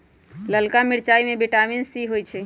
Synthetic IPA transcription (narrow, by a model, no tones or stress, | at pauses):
ləlkamɪɾt͡ʃaimẽbeʈaminsiɦojt͡ʃʰɛ